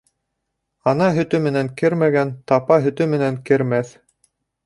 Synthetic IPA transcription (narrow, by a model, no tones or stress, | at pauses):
ɑnɑɦɵ̆t̪ɵmɘ̆næŋkɘɾmæɡænt̪ɑpɑɦɵ̆t̪ɵmɘ̆næŋkɘ̆ɾmæθ